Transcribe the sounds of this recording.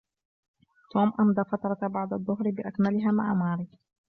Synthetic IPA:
t̪oːmʔamd̪ˤɑːfat̪ɾˤɑbɑʕd̪ˤɑðˤːʊɦɾbɪʔakmalɪɦaːmaʕamɑːɾiː

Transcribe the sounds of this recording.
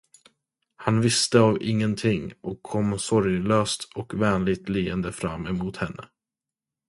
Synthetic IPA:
hanvɪst̪əavɪŋːənt̪ʰɪŋɔkʰːɔmːsɔɾjløːst̪ɔkvɛːnlɪɡ̚t̪liːənd̪əfɾa̰mːɛmuːt̪hɛnːə̰

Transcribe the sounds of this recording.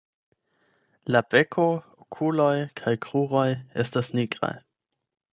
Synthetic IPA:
labe̞kʰookʰulo̞jkʰajkʁuʁo̞je̞̰stasniɡɾa̰j

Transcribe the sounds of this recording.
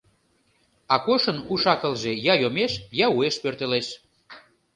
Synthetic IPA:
ɑkoʃənuʃɑkə̆lʒejɑjomeʃjɑueʃpørt̪eleʃ

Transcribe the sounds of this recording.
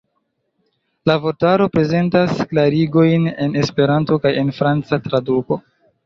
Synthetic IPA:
lavo̞ɾtaɾo̞pɾe̞ze̞ntasklaɾiɡo̞jne̞ne̞spe̞ɾanto̞kaje̞nfɾant͡satɾaduko̞

